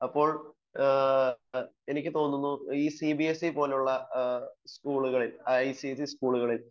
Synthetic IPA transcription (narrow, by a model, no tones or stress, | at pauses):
ɐpːo̞ːɭ | e̞nikʲːɨt̪o̞ːnːunːuiːsibiesipo̞ːlejuɭːɐ | skuːɭuɣɐɭiljsiesiskuːɭuɣɐɭil